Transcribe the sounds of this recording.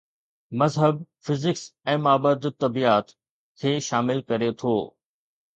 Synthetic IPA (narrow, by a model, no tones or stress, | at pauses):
mɐzɦəb̚fɪzɪksɛ̃ːmaːbəd̪t̪ɐbiaːt̪ | kʰeːʃaːmɪlkɐɾet̪ʰoː